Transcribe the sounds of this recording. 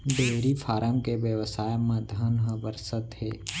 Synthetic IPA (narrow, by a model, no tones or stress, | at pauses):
d̪eːɾifʰaːɾəmkeʋjəʋəsaːjmɐ̃d̪ʱənɦəbəɾsət̪ɦeː